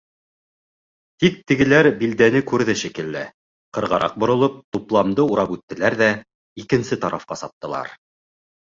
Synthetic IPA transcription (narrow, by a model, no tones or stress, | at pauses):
t̪ik̚t̪ɘ̆ɡɘ̆læɾbild̪ænɘkʉɾðɘʃikɘ̆lːɘ | qɤ̆ɾʁɑɾʔɑ̰q̚bŏɾŏlˠɤp̚t̪uplˠɑmd̪ɤuɾɑpʉt̪ːɘ̆læɾðæ | ikɘ̆nsɘt̪ɑɾʔɑfqɑsɑp̚t̪ɤ̆lˠɑ̰ɾ